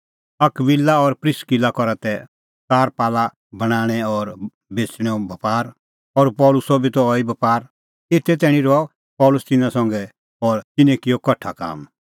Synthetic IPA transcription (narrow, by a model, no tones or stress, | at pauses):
ɐkʋɪlːaɔɾpɾɪskilakɔɾat̪ɛ | t͡saːɾpaːla | bɐɽ̃aːɽ̃ɛɔːɾ | beːsɽ̃ɛɔbɐpaːɾ | ɔːɾpɔːlʊsɔbit̪ɔɔibɐpaːɾ | ɪt̪ʰːɛt̪̬ɛːɽ̃ĩɾɔɔ | pɔːlʊst̪ɪnãsɔ̃ŋɡɛ | ɔːɾt̪ɪnɛ̃kɪjɔkɔʈʰaka̰ːm